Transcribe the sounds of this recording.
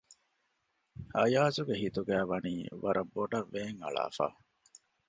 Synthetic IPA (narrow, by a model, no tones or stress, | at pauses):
ɐjaːzuɡeɦit̪uɡæːʋɐniːʋɐɾɐmboɖɐʋːeːŋɐ̰ɭa̰ːfa̰ː